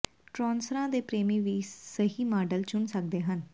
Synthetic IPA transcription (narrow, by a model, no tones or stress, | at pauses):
ʈɾɔːnsɾãːd̪eːpɾeːmĩːʋiːsəɦiːmaːɖəlt͡ʃʊɳsək̚d̪eːɦən